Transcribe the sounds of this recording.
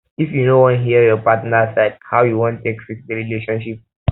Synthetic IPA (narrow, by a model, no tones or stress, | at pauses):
ɪfjunoːwʌ̃nɦiəjɔpatnasaɪd̚hawjuwɔ̃nteksik̚deɾileːʃɐ̃nʃɪp̚